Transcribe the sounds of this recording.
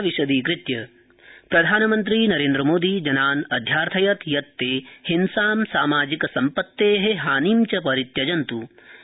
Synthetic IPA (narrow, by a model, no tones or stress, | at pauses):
ʋiʃɐd̪iːkɾɪt̪jɐ | pɾɐd̪ʱaːnɐmɐnt̪̬ɾiːnɐɾeːnd̪ɾɐmoːd̪iːd͡ʒɐnaːnɐd̪ʱjaːɾt̪ʰɐjɐt̪jɐt̪ːeːhinsaːmsaːmaːd͡ʒikɐsɐmpɐt̪ːeːɦeɦaːniːmt͡ʃɐpɐɾit̪jɐd͡ʒɐnt̪u